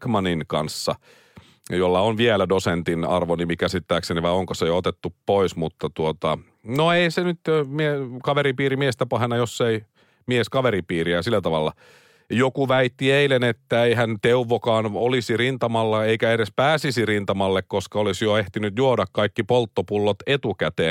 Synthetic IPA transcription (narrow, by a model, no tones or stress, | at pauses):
kmɑninkɑnsːɑ̰ | jolːɑonʋielædosent̪inɑ̰rʋonimikæsit̪ːæːkseniʋɑioŋkosejoot̪et̪ːuppoismut̪ːɑt̪uot̪ɑ̰ | noeisenyt̪miekɑʋeɾipiːɾimiest̪æpɑhenɑjosːei | mieskɑʋeɾipiːriæsilːæt̪ɑʋɑlːɑ̰ | jokuʋæit̪ːieilenet̪ːæeihænt̪euʋːokɑːnolisirint̪ɑmɑlːɑeikæeɾespæːsisirint̪ɑmɑlːekkoskɑolisjoeht̪inyt̪juodɑkkɑikːipolt̪ːopulːot̪et̪ukæt̪eː